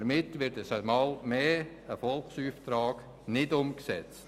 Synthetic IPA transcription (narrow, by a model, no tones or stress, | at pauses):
ɾmɪtʋɪɾdəsəmɑːlmeː | əfɔlksuːftɾaːk | nɪdʊmksɛt͡st